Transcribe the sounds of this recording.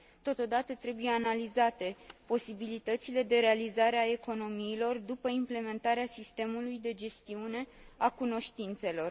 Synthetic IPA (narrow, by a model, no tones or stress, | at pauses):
t̪o̞t̪o̞d̪at̪ət̪ɾe̞buje̞analizat̪e̞po̞sibilit̪ət̪sile̞d̪e̞ɾe̞alizaɾeae̞ko̞no̞miːlo̞rd̪upəimple̞me̞nt̪aɾeasist̪e̞mulujd̪e̞d͡ʒe̞st̪iune̞akuno̞ʃt̪int̪se̞lo̞r